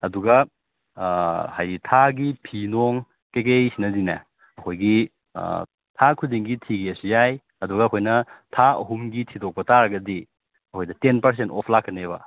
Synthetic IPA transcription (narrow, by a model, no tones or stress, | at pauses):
ɐduɡɐ | hajɾitʰaɡipʰinoŋ | kek̬ejsinɐdinɐ̰ | ɐkʰojɡḭ | tʰakʰudiŋɡitʰiɡiɐsijaj | ɐduɡɐːkʰojnɐtʰaɐ̰ɦumɡitʰidok̚pɐtaɾɐɡɐdi | ɐkʰojdɐtenpɐɾs̬entɔpʰlakʰːɐneβɐ̰